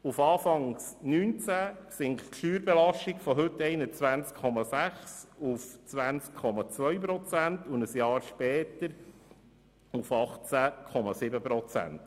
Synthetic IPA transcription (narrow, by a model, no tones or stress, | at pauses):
ufɑːfɑŋsnyːnt͡sæsɪŋχtʃyːɾbɛlɑʃtikfɔɦɵtːɛɪnət͡sʋænt͡skʰɔmɑsæχsuft͡sʋænt͡skkʰɔmɑt͡svœɥp̬ɾɔt͡sæntʊnəsjɑːɾʃpɛːt̪əɾ | ufɑχt͡sækʰɔmɑsɪbəpɾɔt͡sæ̰nt